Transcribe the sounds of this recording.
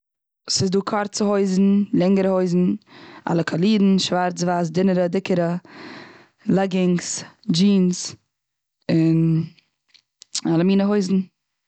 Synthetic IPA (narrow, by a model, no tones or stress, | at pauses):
sɪsduːkʰɔɾt͡səhoɪzn̩lˠɛŋəɾəhoɪzn̩a̰lˠəkʰalˠiːdn̩ʃvaɾt͡svaːs̬dɪnəɾədɪkəɾə | lˠɛɡɪŋsd͡ʒiːns | ɪn | alˠəmiːnəɦoɪzn̩